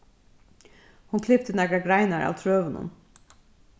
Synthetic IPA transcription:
hʊnkʰlɪpt̪ənæɡɾaɡɾajnaɾʔa̰ʋt̪ʰɾøːʋənʊ̰n

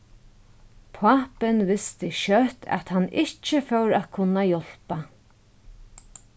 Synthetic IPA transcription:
pʰaːpɪnvɪst̪ɪʃœht̪ʰæ̰t̪hanːɪht͡ʃːəfœwɾaðkʰʊnːajɔl̥pa

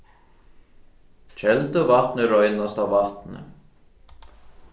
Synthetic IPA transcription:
t͡ɕʰɛlt̪ʏvaht̪nɪɾɔɥnast̪awvaht̪nɪ̰

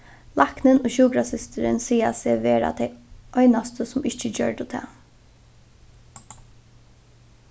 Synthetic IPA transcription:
lʔɑknənoːɕuːkɾasɪst̪əɾənsiːaseːʋeːɾa̰t̪̚d̪ɛɪʔɔʏnast̪əsʊmɪt͡ʃəd͡ʒœːɖət̪ʰɛ̰ː

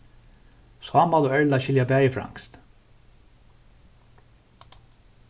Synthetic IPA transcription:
samaðuɛɹlaɕɪljabæːjɪfɾa̰ŋkst̪

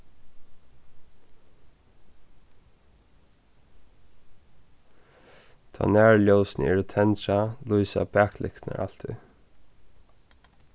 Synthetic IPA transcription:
t̪ʰa̰ːnæːɹljɔwsnə̰ɛɹt̪ʰɛnsalujsa̰bæːklɪkna̰ɹʔa̰l̥t̪ɪ̰

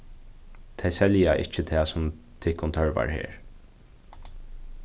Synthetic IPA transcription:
t̪ʰɛjsɛljaʔɪ̰t͡ʃːət̪ʰɛːsʊm | t̪ʰɪhkʊnt̪ʰœɹʋa̰ɹhḛːɹ

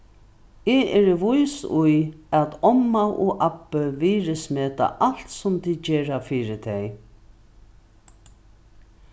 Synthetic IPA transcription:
ɪʔɛːɾʋʊjsʊjat̪ɔmːawʔoʔapːəʋiːɾɪsmeːt̪a̰ʔalt̪sʊmt̪ʰid̪̚d͡ʒeːɾafiːɾɪt̪ʰɛj

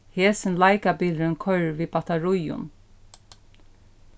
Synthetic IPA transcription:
heːsənlaɪkabiːlɾənkʰœɹʋiːbat̪aɹʊjʊ̰n

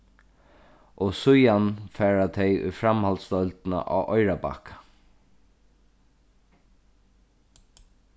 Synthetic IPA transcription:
ʔɔsʊjanfɛːɹat̪ʰɛjʊ̰jfɾamhalt̪st̪ɔʏlt̪na̰ʔa̰ɔɪɹapa̰ːkḁ

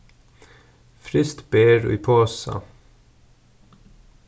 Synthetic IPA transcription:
fɾɪst̪b̥eːɹḭːpʰoːsɑ̰

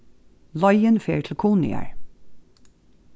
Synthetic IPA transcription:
lɔʏənfḛːɹtʰl̩kʰuːnɪ̰ə̰ɹ

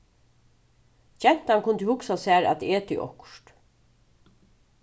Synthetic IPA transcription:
t͡ʃɛn̥t̪aŋkʰʊnt̪ɪhʊksasæaːɾæ̰t̪eːt̪ɪʔɔ̰hkʊ̥ʃt̪

